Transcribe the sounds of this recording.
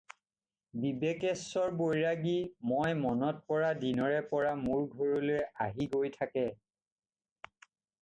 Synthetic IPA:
bibekɛsːɔɹbojɹaɡimɔjmɔnɔt̚pɔɹadinɔɹɛpɔɹamuɹɡʱɔɹɔlojɛaɦiɡojtʰakɛ

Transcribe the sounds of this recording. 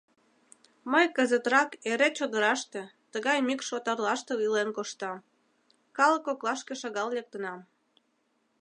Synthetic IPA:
məjkəzət̪ɾɑkeɾet͡ɕod̪əɾɑʃt̪et̪əɣɑjmikʃot̪ɑrlɑʃt̪eilenkoʃt̪ɑm | kɑləkoklɑʃkeʃɑɣɑllek̚t̪ənɑm

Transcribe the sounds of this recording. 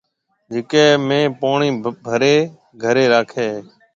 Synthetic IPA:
d͡ʒɪkeːmẽːpaːɳiːbʱəɾeː | ɡʱəɾeːɾaːkʰeː

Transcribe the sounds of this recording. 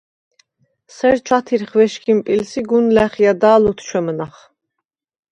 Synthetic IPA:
sɛɾt͡ʃʰwat̪ʰiɾχvɛʃkʰʼimpʼilsiɡunlæχiad̪aːlut̪ʰt͡ʃʰwɛmnaχ

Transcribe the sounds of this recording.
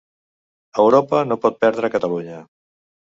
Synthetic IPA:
əwɾopənopɔt̪̚pɛɾðɾəkət̪əluɲə

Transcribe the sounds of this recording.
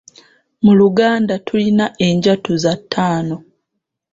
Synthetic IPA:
muluɡaːndatʰulinaʔe̞ɲɟatuzatʰːaːno̞

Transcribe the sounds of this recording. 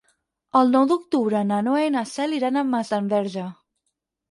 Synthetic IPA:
əlˠnɔwd̪uk̚t̪uβɾənanoejnasɛliɾanəmːazt̪ambɛɾʒə

